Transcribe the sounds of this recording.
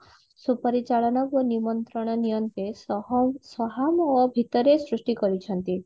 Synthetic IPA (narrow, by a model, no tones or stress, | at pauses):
supəɾit͡ʃaɭɔnɔkʋənimɔnt̪ɾəɽ̃ɔnijənt̪esɦsɔɦamɔbʱit̪əɾesɾuʂʈikɔɾit͡ʃʰənt̪i